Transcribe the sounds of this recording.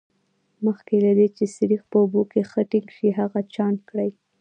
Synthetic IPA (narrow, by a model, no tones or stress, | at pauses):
məxkelad̪et͡ʃesɪɾixpəʊbokexəʈɪŋɡʃiɦaɣat͡ʃɑnkɽaj